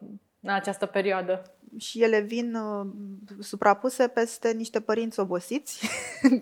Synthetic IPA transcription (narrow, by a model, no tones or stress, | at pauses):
ɨnat͡ʃast̪əpe̞ɾioad̪ə | ʃije̞le̞vin | supɾʔapuse̞pe̞st̪e̞niʃt̪e̞pəɾint̪sʲo̞bo̞sit̪sʲ